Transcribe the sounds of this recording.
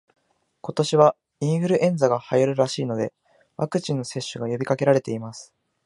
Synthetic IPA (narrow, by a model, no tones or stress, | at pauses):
ko̞t̪o̞ɕiβa | ĩŋɡɯ̟ɾɯ̟ʔẽ̞nd͡zaɡahajoɾɯ̟ɾaɕiːno̞d̪e̞ | βakɯ̟t͡ɕĩnːo̞se̞ɕːɨɡajo̞bʲikake̞ɾaɾe̞t̪e̞imasɨ̥